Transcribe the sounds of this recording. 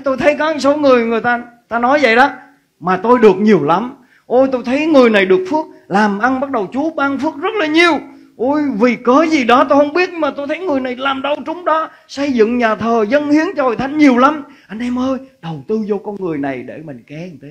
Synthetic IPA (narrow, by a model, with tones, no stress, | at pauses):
t̪o˧jt̪ʰə˨˦jkɔ˨˦ɲi˧˩ŋso˨˦wŋɨ˨˩əjŋɨ˨˩əjt̪aː˧ | t̪aː˧nɔ˨˦jvə̰˧˨jɗɔ˨˦ | maː˨˩t̪o˧jɗɨ˨˩ək̚ɲi˨˩əwla˨˦m | ʔo˧jt̪o˧jt̪ʰə˨˦jŋɨ˨˩əjna˨˩jɗɨ˨˩ək̚fɨ˦˥ək̚laː˨˩mʔa˧nɓa˦˥t̚ɗə˨˩wt͡ɕu˨˦əɓaː˧ŋfɨ˦˥ək̚zə˦˥t̚laː˨˩ɲi˨˩əw | ʔo˧˩jvi˨˩kəː˨˦zi˨˩ɗɔ˨˦t̪o˧jhə˧wŋ͡mɓi˦˥ət̚ɲɨ˧maː˨˩t̪o˧jt̪ʰə˨˦jŋɨ˨˩əjna˨˩jlaː˨˩mɗə˧˩wt͡ɕʊ˨˦ŋ͡mɗɔ˨˦ | sə˧jzɨ̰˧˨ŋɲaː˨˩t̪ʰəː˨˩zə˧nhi˨˦ənt͡ɕɔ˧ho̰˧˨jt̪ʰa˨˦jŋ̟ɲi˨˩əwla˨˦mʔa˧jŋ̟ʔɛ˧mʔəː˧jɗə˨˩wt̪ɨ˧zɔ˧kɔ˧nŋɨ˨˩əjna˨˩jɗe˧˩mï˨˩ŋ̟kɛ˨˦i˨˩t̪ʰe˨˦